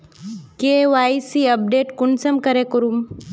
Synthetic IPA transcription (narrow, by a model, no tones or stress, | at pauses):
keʋaisiɐp̚ɖeːʈkunsəmkəɾekəɾum